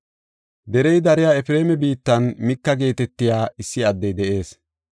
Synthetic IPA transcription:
d̪ɛɾɛjd̪ɐɾɪjaːɛfɪɾe̞ːmɛbiːt̪ːɐnmɪkːɐɡe̞ːt̪ɛt̪ːɪjaːɪsːɪɐd̪ːɛjd̪ɛʔe̞ːs

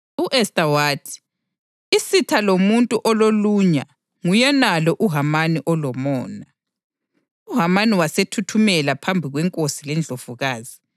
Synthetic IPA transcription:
uʔɛstʼawatʰi̥ | isitʰalomuntʼuʔɔloluɲa̰ | ŋujɛnalɔʔuɦamaniʔɔlɔmɔːna | uɦamaniwasetʰutʰumɛlapʰambʱiɣwɛŋkʼosilɛnd͡ɮʱov̥uɣaːzi

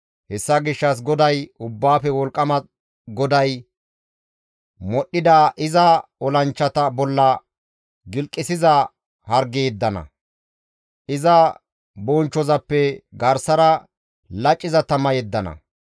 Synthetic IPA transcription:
hɛsːɐɡɪʃːɐs̬ɡɔd̪ɐjʊbːaːfɛwɔlkʼːɐmɐ | ɡɔd̪ɐj | mɔɗːɪd̪aːʔɪzɐɔlɐnt͡ʃːɐt̪ɐbɔlːɐ | ɡɪlkʼːɪsɪzɐ | hɐɾɡeːd̪ːɐnɐ̰ | ʔɪzɐ | boːnt͡ʃːɔzɐpːɛɡɐɾsɐɾɐ | lɐt͡ʃʼːɪzɐt̪ɐmɐjɛd̪ːɐnɐ̰

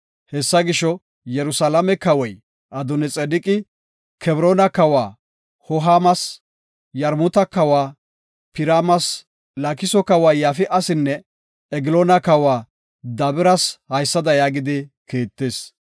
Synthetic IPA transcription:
hɛsːɐɡɪʃːɔ | jɛɾʊsɐlɐmɛkɐwɔj | ʔɐd̪ʊnɛt͡sʼɛd̪ɪkʼɪ | kʰɛbɾoːnɐkɐwaː | hɔɦaːmɐs | jɐɾmʊt̪ɐkɐwaː | pɪɾaːmɐs | lakɪsɔkɐwaːjaːfɪʔɐsɪnːɛ | ɛɡɪloːnɐkɐwaː | d̪ɐbɪɾɐshɐjsːɐd̪ɐjaːɡɪd̪ɪkeːt̪ːeːs

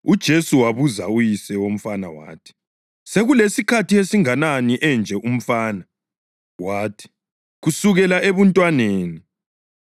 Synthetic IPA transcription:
ud̥ʒ̥ʱesuwaβuza̰ujisɛwom̩fana̰wa̰ːtʰi̥ | seɣulesikʰatʰiesiŋananiʔɛnd͡ʒʱɛʔum̩faːna | waːtʰi̥ | ɣusuɣɛlaeβuntʼwaneːni

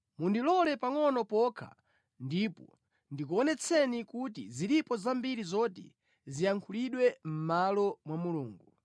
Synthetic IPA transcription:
mundilɔlɛpaŋɔnɔpɔkʰa̰ | ndipɔ | ndikuɔnɛt͡sʰɛnikutḭzilipɔzambiɾizɔtḭ | zijaŋkʰuliɗwɛm̩malɔmwamuluːŋɡu

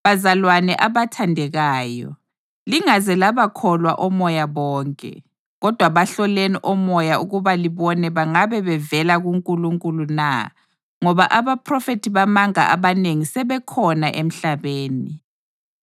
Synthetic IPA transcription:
βazalwanɛʔaβatʰandʱɛɣaːjɔ̰ | liŋazɛlaβakʰɔlwa̰ʔɔmɔjaβɔːŋkʼɛ̰ | ɣɔd̥ʱwaβaɬɔleniʔɔmɔjauɣuβaliβɔnɛβaŋaβɛβɛvɛlaɣuŋkʼuluŋkʼuluna̰ | ŋɔβaʔaβapʰrɔfetʰiβamaŋa̰ʔa̰βaneŋisɛβɛkʰɔnaʔem̩ɬaβeːni

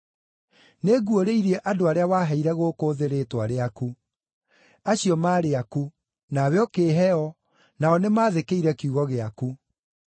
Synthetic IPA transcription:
neɡwoɾeiɾiɛʔadoaɾeawaːɦɛiɾɛɣoːkoːðeɾetwaɾeaku | aɕijɔmaːɾeaku | nawjɔkeːɦɛɔ | naɔnemaːðekeiɾɛkiuɣɔɣeaku

